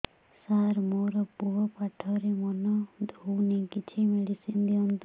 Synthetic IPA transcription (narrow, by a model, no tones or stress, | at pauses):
saɾmoɾɔpuɦɔpaʈʰɔɾemɔnɔd̪ʱonikit͡ʃʰimeɽisind̪iɔnt̪